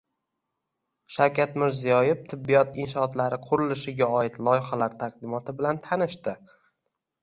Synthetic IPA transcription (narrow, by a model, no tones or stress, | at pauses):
ʃawkʲʰat̪mɪɾzijɒjɪft̪ʰɪbːijɒt̪ɪnʃɒːt̪laɾɪqʰʊɾɪlɪʃɪɡʲaɒɪt̪lˠɒjχalaɾt̪ʰaqd̪ɪmɒt̪ʰɪbɪlant̪ʰanɪʃt̪ɪ